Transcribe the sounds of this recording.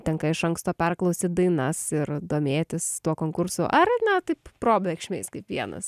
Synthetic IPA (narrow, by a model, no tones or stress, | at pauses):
t̪ʲɛŋkɐɪʃɐŋkst̪oːpʲɛrklˠɐʊsʲiːd̪ɐɪnɐsɪrd̪oːmʲeːt̪ʲɪst̪uɔkoːŋkʊrsʊʔɐrnɛt̪ɐɪppɾoːbʲlʲɛkʃʲmʲeːɪskɐɪpʋʲiɛnɐ̰s